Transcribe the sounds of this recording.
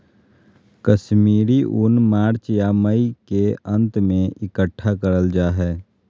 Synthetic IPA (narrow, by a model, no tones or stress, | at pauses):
kəʃmiːɾiʔʊnmaːɾt͡ʃjaməikeə̃nt̪mẽɪkəʈʰːakəɾəld͡ʒaːɦɛː